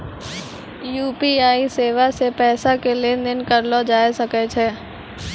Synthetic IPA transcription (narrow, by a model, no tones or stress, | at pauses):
juːpiaːiseːʋasepɛːsakelienɪnkɐɾlod͡ʒaːjsɐket͡ʃʰɛː